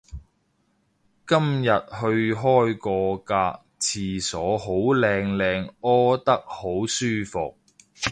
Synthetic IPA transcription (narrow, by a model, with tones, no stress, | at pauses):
kɐ˥mjɐ˨t̚hɵ˧ɥɦɔː˥jkɔː˧kaː˧k̚t͡sʰiː˨sɔː˨˥ɦo˨˥wlɛː˧ŋlɛː˧ŋɔː˥t̪ɐ˥k̚ho˨˥wsyː˥fʊ̰˨k̚